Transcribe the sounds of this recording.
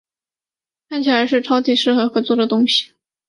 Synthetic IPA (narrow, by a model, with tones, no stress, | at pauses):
kʰa˥˩nt͡ɕʰi˨˩la˧˥ɪʂɻ̩˥˩ʈ͡ʂʰɑ˥ʊt̪ʰi˨˩ʂɻ̩˥˩xɤ˧˥xɤ˧˥t͡swɔ˥˩d̪ə˩t̪ʊ˥ŋɕi̥˨˩